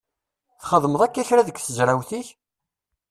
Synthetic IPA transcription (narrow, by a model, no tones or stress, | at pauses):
θχəðˤməðˤækːæçɾaðəkːθəzɾæwθiç